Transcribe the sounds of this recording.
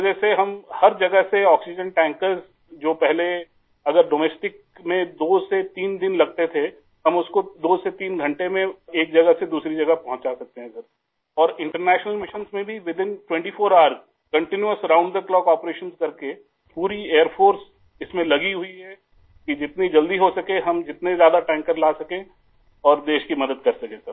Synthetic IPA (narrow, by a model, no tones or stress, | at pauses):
d͡ʒɛːseɦɐmhɐɾd͡ʒɐɡəɦseɔːksɪd͡ʒə̃nʈɛ̃ːŋkəɾz | d͡ʒoːpɛɦle | ɐɡəɾɖoːmɛːsʈɪk̚ | mẽd̪oːset̪iːnd̪ɪnlɐɡ̚t̪et̪ʰe | ɦɐmʊskod̪oːset̪iːnɡʱɐ̃ɳʈemẽeːk̚d͡ʒɐɡəsed̪uːsɾid͡ʒɐɡəɦpɐɦʊ̃t͡ʃasɐk̚t̪eɦɛ̃ɐɡəɾ | ɔːɾɪ̃ɳʈəɾnɛːʃnəlmɪʃə̃nsmẽbʱiʋɪd̪ɪ̃nʈwɛ̃ɳʈifʰoːɾaːəɾz | kɐ̃ɳʈɪnjuəsɐɾãːʊ̃ɳɖd̪əklɔːkɔːpɾeːʃənzkɐɾke | puːɾieːəɾpʰoːɾs | ɪsmẽlɐɡiɦʊiɦɛ | kid͡ʒɪt̪nid͡ʒɐld̪iɦosɐkẽɦɐmd͡ʒɪt̪nezjaːd̪aʈɛ̃ːŋkəɾlaːsɐkẽ | ɔːɾd̪eːʃkimɐd̪əd̪̚kɐɾsɐkẽsɐɾ